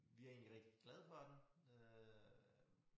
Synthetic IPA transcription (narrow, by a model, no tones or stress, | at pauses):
ʋiæɐe̝̰ːnliʁeɡ̥̚d̥i̥ɡ̥lɛð̞ˠfɒd̥eø